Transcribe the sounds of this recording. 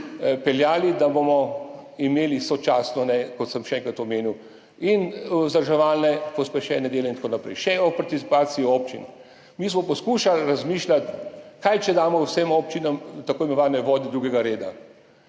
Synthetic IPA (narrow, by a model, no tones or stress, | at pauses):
pɛljaːlid̪abomɔimeːlisɔt͡ʃaːsnɔnɛkɔt̪səmʃɛɛŋkɾat̪ɔmeːniw | inzəɾʒɛʋaːlnɛpɔspɛʃɛːnɛd̪eːlɛint̪ḁkonapɾɛ̰jʃɛɔpaɾt̪isipaːt̪siiɔːpt͡ʃḭn | mis̬mɔpɔskuːʃalɾazmiːʃlat̪kajt͡ʃɛd̪aːmɔwsemɔːpt͡ʃinamt̪akoːjimɔʋaːd̪nɛʋɔːd̪id̪ɾuːɡɛɡaɾeːd̪a̰